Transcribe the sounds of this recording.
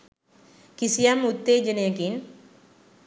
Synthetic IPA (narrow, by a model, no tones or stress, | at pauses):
kisijamut̪ːed͡ʒənjakin